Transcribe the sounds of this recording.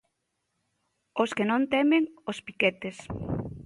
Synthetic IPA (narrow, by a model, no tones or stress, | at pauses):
oskenõnt̪ɛmeŋospi̥ket̪es